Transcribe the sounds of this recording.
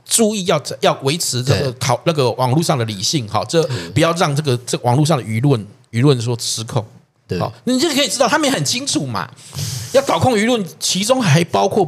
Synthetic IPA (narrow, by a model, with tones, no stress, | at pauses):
ʈ͡ʂu˥˧i˥˧jɑ˥˧ʊ˧jɑ˥˩ʊwe˧˥ɪʈ͡ʂʰɻ̩˧˥na˥˩ɡə˩t̪ʰɑ˨˩ʊna˥˩ɡə˨wʔɑ˨˩ŋlu˥˧ʂɑ˥˩ŋd̪ə˩li˨˩ɕi˥˨˩ŋhɔ̰˨˩ʈ͡ʂə˥˧pu˨˩jɑ˥˧ʊɻɑ˥˧ŋnɤ˥˩ɡə˩ʈ͡ʂə˥˩ə˩wɑ˨˩ŋlu˥˧ʂ̬ɑ˥˩ŋd̪ə˨y˧˥lwə˥˩n | y˧˥lwə˥˨no˥˩ʂɔ˥ʈ͡ʂʰɻ̩˧˦kʰo˨˩˦ŋ | ɔ̰˨˩na˨˩i˨˥˩kʰə˥i˨˩ʈ͡ʂ̩̪˥ɑ˥˩ʊa˥m˨je˥hə˨˩nt͡ɕʰi˥ŋʈ͡ʂʰu˨˩ma̰˨˩jɑ˥˩ʊt̪ɑ˨˩ʊkʰo˥˩ŋy˧˥lwə˥˨nt͡ɕʰi˧˥ʈ͡ʂʊ˥ŋxa˧˥ɪpɑ˥ʊkʰwɔ˥˩